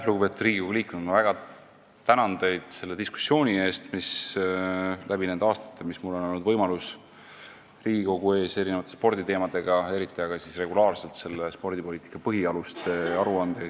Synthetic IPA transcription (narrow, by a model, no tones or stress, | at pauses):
luɡupe̞t̪u̥td̪riːɡiko̞ɡuliːkːˑunud̪mɑvæɡ̥ɑ | t̪ænɑnd̪e̞jd̪̥se̞lːe̞d̪isku̥sːjo̞ːnʲie̞ːst̪mis | lʔæbine̞nd̪ɑːst̪ɑ̥t̪ːˑemismulːo̞nolnːud̪vɤjmɑlus | riːɡiko̞ɡ̥ue̞ːse̞ɾinevɑt̪ːˑe̞spo̞rd̪̥it̪e̞ːmɑd̪e̞ɡ̥ɑe̞ɾit̪ːˑiɑɡ̥ɑsisre̞ɡulɑːrse̞lt̪se̞lːe̞spo̞rd̪̥ipoliːt̪ikːˑɑpɤɦiɑlust̪e̞ɑɾuɑnd̪e